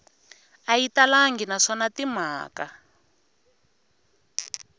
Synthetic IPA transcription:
ajitalaŋɡinaʂɔnatim̤aːka

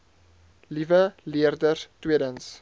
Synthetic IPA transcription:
livəliərdərtwiədəns

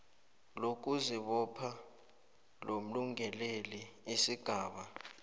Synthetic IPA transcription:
lok̬ʼuziɓɔpʰa | lom̩luŋʱɛleliisiɡ̥ʱaːɓa

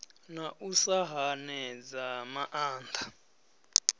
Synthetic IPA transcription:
naʔusaɦanɛd͡zamaʔaːnt̪ʰḁ

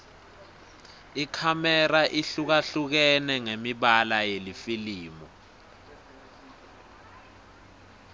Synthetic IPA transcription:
ikʰamɛraʔiɬuk̬aɬuk̬ɛnɛŋemiɓalajelifiliːmɔ

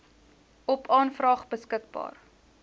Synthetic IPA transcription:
ɔpɑːnfrɑːχbəskək̚bɑ̰ːr

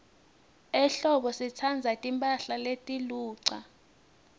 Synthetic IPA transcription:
ɛɬɔɓɔsit͡sʰand͡zʱatʼimpʼaɬaletʼiluːǀa

